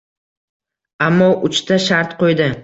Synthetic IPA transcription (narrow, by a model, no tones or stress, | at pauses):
amːɒʔʊt͡ʃt̪ʰaʃaɾt̪qʰojd̪ɪ